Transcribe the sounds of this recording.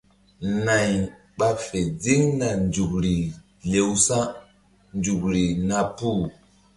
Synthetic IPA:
na˨ɲ | ɓa˦fe˨d͡zi˦ŋna˨nd͡ʒu˨kɾi˨ | le˨wsa˦ | nd͡ʒu˨kɾi˨na˨pu˦˨

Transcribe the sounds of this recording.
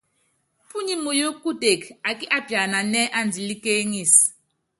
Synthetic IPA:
pu˦ɲi˦mu˨jo˦kːu˦de˨ka˨ki˦ʔa˦bja˨na˨nɛ˦ʔa˦n˨d͡zi˨li˦ke˦ŋi˦˨s

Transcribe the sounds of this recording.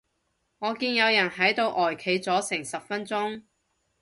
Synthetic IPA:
ŋɔː˨˧kiː˧njɐ˨˧wjɐ˨˩nɦɐ˨˥jt̪o˧wʔɔː˨˩jkʰe˨˧jt͡sɔː˨˥sɪ˨˩ŋsɐ˨p̚fɐ˥nt͡sʊ˥ŋ

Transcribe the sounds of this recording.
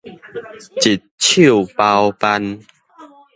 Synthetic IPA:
t͡ɕi˨t̪̚t͡ɕʰi˥˨wpa˧wpa˧n

